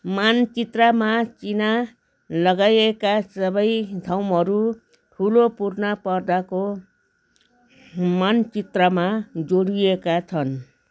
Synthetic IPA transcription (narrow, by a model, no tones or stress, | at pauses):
mant͡sit̪ramat͡sina | lʌɡajekasʌbʌjd̪ʱawmɦʌɾu | ʈʰulopurnʌpʌrd̪ako | mant͡sit̪rʌmad͡zoɽijekat͡sʰʌn